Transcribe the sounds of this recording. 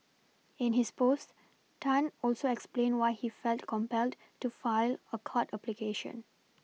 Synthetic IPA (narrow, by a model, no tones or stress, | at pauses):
ɪ̃nhɪspost | tʰãnɔlsoɛksplẽnwaɪhifɛltkʰɔ̃mpɛld | tufaɪləkʰɔtaplikeʃə̰̃n